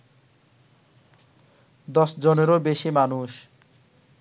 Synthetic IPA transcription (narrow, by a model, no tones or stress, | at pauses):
d̪ʌsd͡zʌneɾobesimanus